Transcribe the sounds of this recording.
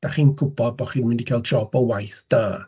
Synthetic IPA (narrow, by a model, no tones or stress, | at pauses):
d̥aχiːnɡʊbɔd̚bɔχiːnmɪndikʰal̚ˠd͡ʒɔbɔwajθd̥aː